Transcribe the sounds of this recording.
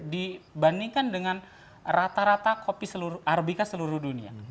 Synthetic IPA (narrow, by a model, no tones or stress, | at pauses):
dibandiŋkandəŋan | rat̪aɾat̪akopisəluɾʊʔarbikasəluɾuhdunia̰